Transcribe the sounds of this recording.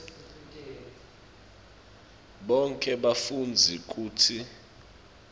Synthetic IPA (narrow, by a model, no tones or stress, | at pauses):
ɓɔŋkʼɛɓafund͡zʱik̬ʼuːtʰi